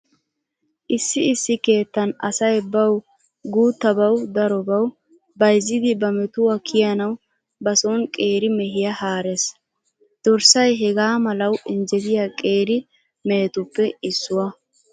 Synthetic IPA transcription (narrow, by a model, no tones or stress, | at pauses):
ʔɪsːɪɪsːɪke̞ːt̪ːɐnɐ̰sɐjbɐw | ɡuːt̪ːɐbɐwd̪ɐɾɔbɐw | bɐjzːɪd̪ɪbɐmɛt̪ʊwɐkʰɪjɐnɐw | bɐsonkʼe̞ːɾɪmɛɦɪjɐhaːɾes | d̪̥ɔɾsɐjɦɛɡaːmɐlɐwʔɪnd͡ʒɛd̪ɪjakʼe̞ːɾɪ | meːt̪ʊpːɛɪsːʊwɐ